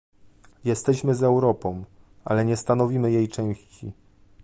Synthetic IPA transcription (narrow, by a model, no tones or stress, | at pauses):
jɛst̪ɛɕmɘzɛwɾɔpɔ̃w̃ | a̰lɛɲɛst̪anɔvʲimɘjejt͡ʂɛ̃w̃ɕt͡ɕḭ